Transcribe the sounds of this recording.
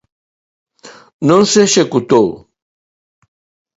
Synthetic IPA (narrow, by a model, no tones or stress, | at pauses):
nonseʃekut̪ow